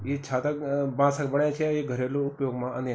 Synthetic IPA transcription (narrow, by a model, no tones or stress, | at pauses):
it͡ʃʰaːt̪əbãːsəkbəɳjãt͡ʃʰiːɡʱəɾeːloʊpjoːɡmãːə̃nd̪ẽ